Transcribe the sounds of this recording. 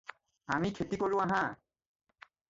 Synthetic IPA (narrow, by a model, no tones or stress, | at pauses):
amikʰetikolʊ̃aɦa